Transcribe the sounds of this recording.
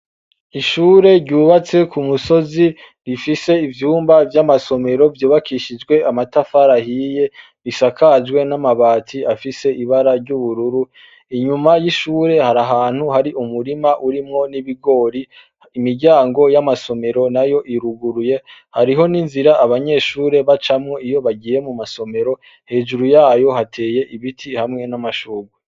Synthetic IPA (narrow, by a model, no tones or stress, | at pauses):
iʃuːɾe̞ɾɟuːβat͡se̞kumuso̞zi | ɾifise̞ivjuːmbavjamaso̞me̞ɾo̞vjuːβakʰiʃid͡ʒɡwe̞amatafaɾahiːje̞ | ɾisakʰad͡ʒɡwe̞namaβaːtʰiafise̞ʔiβaɾaɾɟuβuɾuɾu | iɲumajiʃuːɾe̞haɾaɦaːn̥huhaɾiʔumuɾimaʔuɾimŋo̞niβiɡo̞ːɾi | imiɾɟaːŋɡo̞jamaso̞me̞ɾo̞najo̞ʔiɾuɡuɾuje̞haɾiɦo̞ninziɾaːβaɲe̞ːʃuːɾe̞βat͡ʃamŋo̞ijo̞βaɡiːje̞mumaso̞me̞ɾo̞ | he̞ːʒuɾujaːjo̞hatʰe̞ːje̞ʔiβitʰihamŋe̞namaʃuːɡwe